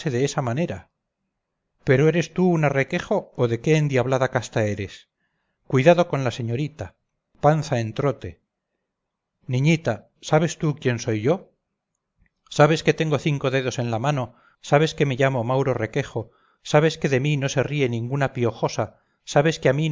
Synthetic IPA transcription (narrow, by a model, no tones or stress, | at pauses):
e̞ðe̞esamane̞ɾa | pe̞ɾoe̞ɾe̞st̪uunare̞ke̞xoːðe̞ke̞ːnd̪jiaβlaðakast̪ae̞ɾe̞s | kwiðaðo̞ko̞nlase̞ɲo̞ɾit̪a | panθae̞nt̪ɾo̞t̪e̞ | nĩɲit̪a | saβe̞st̪ukje̞nso̞jʝo̞ | saβe̞ske̞t̪e̞ŋɡo̞θiŋko̞ðe̞ðo̞se̞nlamano̞ | saβ̞e̞ske̞me̞ʝamo̞mawɾo̞re̞ke̞xo̞ | saβ̞e̞ske̞ðe̞mino̞se̞rie̞nĩŋɡunapio̞xo̞sa | saβe̞skeamin